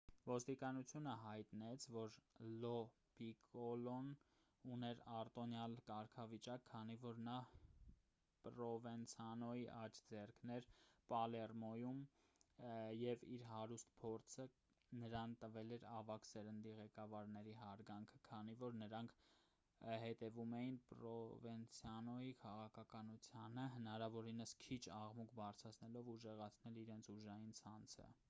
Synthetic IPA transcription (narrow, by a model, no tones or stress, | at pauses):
vɔst̪ikɑnut͡sʰjunəɦɑjt̪nɛt͡sʰvɔɾlɔ | b̥ikɔlɔn | unɛɾɑrt̪ɔnjɑlkɑɾkʰɑvit͡ʃɑkʰːɑnivɔɾnɑ | pɾɔvɛnt͡sʰɑnɔiʔɑt͡ʃʰd͡zɛrkʰnɛɾpɑlɛrmɔjum | jɛviɾɦɑɾust̪pʰɔɾt͡sʰə | nəɾɑnt̪əvɛlɛɾɑvɑksɛɾənd̪iʁɛkɑvɑɾnɛɾiɦɑɾɡɑŋkʰəkʰɑnivɔɾnəɾɑŋkʰ | hɛt̪ɛvumɛjinpɾɔvɛnt͡sʰjɑnɔikʰɑʁɑkʰɑkɑnut͡sʰjɑnəɦənɑɾɑvɔɾinəskʰit͡ʃʰɑʁmukʰbɑrt͡sʰɾɑt͡sʰnɛlɔvuʒɛʁɑt͡sʰnɛliɾɛnt͡sʰuʒɑjint͡sʰɑnt͡sʰə̰